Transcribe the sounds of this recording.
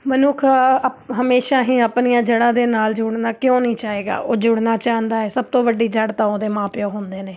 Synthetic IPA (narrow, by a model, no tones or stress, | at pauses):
mənʊkʰɦəmeːʃãːɦĩːəpnijãːd͡ʒəɽãːd̪eːnaːld͡ʒʊɽnaːkɪjõːnĩːt͡ʃaːɦeːɡa̰ːʔoːd͡ʒʊɽnaːt͡ʃaːɦənd̪aːɛːsəb̚t̪õːʋəɖiːd͡ʒəɽt̪ãːoːd̪eːmãːpɪjõːɦʊ̃nd̪eːneː